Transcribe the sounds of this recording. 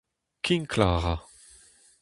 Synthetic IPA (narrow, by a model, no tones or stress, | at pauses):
kʰinkʰlaːʁa